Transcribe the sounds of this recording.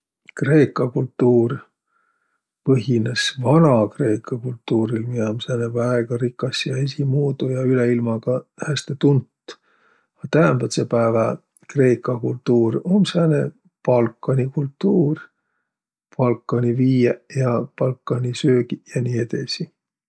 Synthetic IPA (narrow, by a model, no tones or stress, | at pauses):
kre̞ːkːˑɑkult̪ːuːr | pɤɦinesvɑnɑkre̞ːkʰːˑɑkult̪ːuːɾilmiomsæːnevæeɡ̥ɑɾikːˑɑsjɑe̞s̬imuːd̪ujɑyleilmɑɡ̥ɑhæst̪et̪unt̪ː | ɑt̪æɦæmb̥̪ɑt̪sepæːvɑ | kre̞ːkːˑɑkult̪ːuːromsæːnḛ | pɑlkːˑɑnikult̪ːuːr | pɑlkːˑɑnʲiviːjejɑpɑlkːˑɑnʲisøːɡijɑniːed̪̥esi